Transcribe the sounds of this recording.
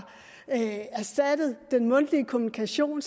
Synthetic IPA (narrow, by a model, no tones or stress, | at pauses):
æɐsd̥æd̥əð̞̩ˠd̥enmɔ̽n̰d̥liəkʰo̝munikʰæɕo̝̰ːns